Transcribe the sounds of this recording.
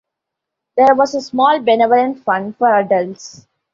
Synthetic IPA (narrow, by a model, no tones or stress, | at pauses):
d̪eːɾʋɔːzesmɔːlbeneʋələ̃nʈfʌ̃ɳɖfɔɾəɖəlʈs